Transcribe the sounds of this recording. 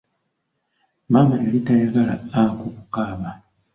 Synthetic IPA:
mamaelitajaɣalaakukukaːβa

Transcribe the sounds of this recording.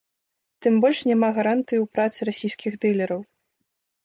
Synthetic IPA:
t̪ɨmbɔlʲʂnʲɛmaɣaɾant̪ɨjiwpɾat̪sɨɾasʲijsʲkʲiɣd̪ɨlʲɐɾɐw

